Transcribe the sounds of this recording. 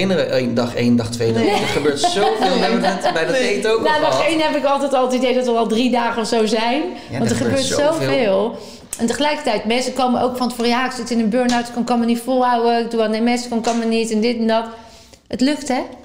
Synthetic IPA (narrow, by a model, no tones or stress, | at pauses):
ɪnərəʔendɑχḛjndɑχtʋejdəχəbøːɹtsovɪːlˠɛəɛtbɛjdejtonaːdɑχejnɦɛpɪkɑlˠtɛjtɔlˠətidejdɔtʋərɑlˠdridaːχənɔfsowzɛjn | ʋɑntəχəbøːɹtsowvvɪːlˠ | ɛntəχəlɛjkə̥rtɛjtmɛnsəkowməʔowkfɔntfoːrjaːɪksɪtɪnənbøɹnawtkɔnkɔnmənitfolˠɦawəɪk̚duanemɛnsə̥kɔnkɔnmənitɛndɪtɛndɔt | ətløftɛ